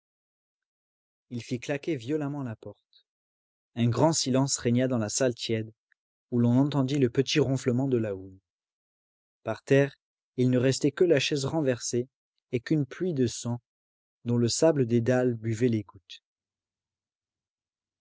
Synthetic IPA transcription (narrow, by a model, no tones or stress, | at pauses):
ilfiklakʲevjɔlamɑ̃lapɔʁt̪ | ɛ̃ɡʁɑ̃silɑ̃sʁɛɲad̪ɑ̃lasalt̪jɛd̪ | ulɔ̃nɑ̃t̪ɑ̃d̪iləpət̪iʁɔ̃fləmɑ̃d̪əlaun | paʁt̪ɛʁ | ilnəʁɛst̪ɛkəlaʃɛzʁɑ̃vɛʁse | ekynplɥid̪əsɑ̃ | d̪ɔ̃ləsabləd̪ed̪albyvɛleɡut̪